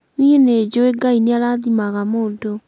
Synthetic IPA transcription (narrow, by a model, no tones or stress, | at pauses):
niened͡ʑoeɡaineaɾaðimaɣamoːdo